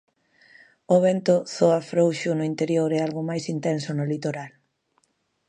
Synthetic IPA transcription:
oβɛnt̪ʊθoafɾowʃʊnʊint̪eɾjoɾɛalɣomajsint̪ɛnsonolit̪oɾal

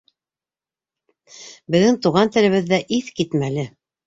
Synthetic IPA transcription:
bɘ̆ðɘŋt̪uʁɑnt̪ɘ̆lɘ̆βɘ̆ðːæʔiθkit̪mælɘ

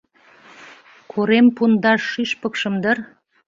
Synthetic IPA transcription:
kʰoɾempund̪ɑʃːyʃpə̆kʃə̆md̪ər

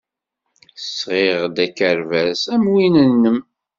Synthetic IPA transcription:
sʁɪʁd̪ækːəɾvæsæmwinənːəm

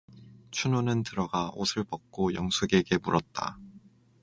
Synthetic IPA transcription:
t͡ɕʰunonɯntɯɾʌɡao̰sʰɯɭpʌk̚k͈ojʌŋsʰuɡe̞ɡe̞muɾʔʌt̚t͈a̰

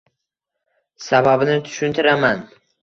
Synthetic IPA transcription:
sababɪnɪt̪ʰʊ̥ʃʊnt̪ʰɪɾaman

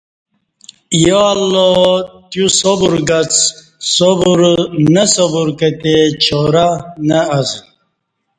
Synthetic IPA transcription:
jolːot̪jusobuɾɡat͡s | sobuɾnəsobuɾkət̪et͡ɕʰoɾanəːz

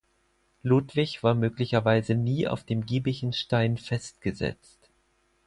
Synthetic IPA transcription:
luːtv̥ɪçv̥aːɐmøːklɪçɐvaɪzəniːʔa̰ʊfd̥eːmɡiːbɪçn̩ʃtaɪnfɛst̚ɡ̥əzɛ̰t͡st

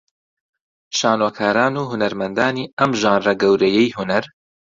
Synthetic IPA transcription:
ʃaːnwɐkʰaːɾaːnuːɦunɐɾmɐnd̪aːniːɐmʒaːnrɐɡɐwɾɐjɛjhunɐɾ

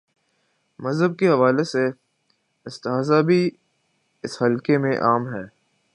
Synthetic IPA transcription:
mɐzɦəb̚keɦɐʋaːlese | ɪst̪ɪɦaːzabʱi | ɪshɐlkemẽʔaːmɦɛː

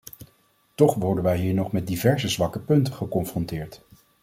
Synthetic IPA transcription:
tɔχʋɔɹdənʋɛjɦiːɹnɔχmɛt̚divɛɹzəzʋɑkəpɵntəχəkɔnfrɔntɪːɹt

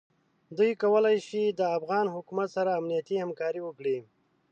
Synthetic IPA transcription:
d̪ujkawəlajʃid̪əafɣɑnɦʊkumat̪saɾaːmnijat̪ihamkɑɾiwəkɽi

